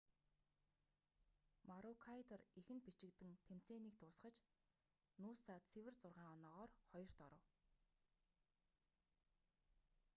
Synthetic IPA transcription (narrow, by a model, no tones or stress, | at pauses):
maɾʊkʰajt̪ɔrixɘ̆npit͡ɕɪ̆kt̪ɘ̆ŋt̪ʰem̥t͡seːniːk̚t̪ʰʊːsχə̆t͡ɕ | nuːsaːt͡sʰewɘ̆rt͡sʊrʁaːŋɔnɔːʁɔːrχɔjɞ̆r̥t̪ɔɾɞ̆w